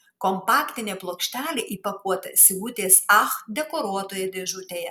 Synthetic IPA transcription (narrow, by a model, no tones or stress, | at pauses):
kɔmpɑːkt̪ʲɪnʲeːplˠoːkʃʲt̪ʲæːlʲeʔiːpɐkuɔt̪ɐ̰sʲɪɡut̪ʲeːsɑxd̪ʲɛkoɾuɔt̪oːjɛd̪ʲeʒʊt̪ʲeːjɛ